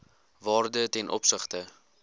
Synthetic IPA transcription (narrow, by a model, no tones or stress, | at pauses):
vɑːrdətɛnʔɔ̰psəχtə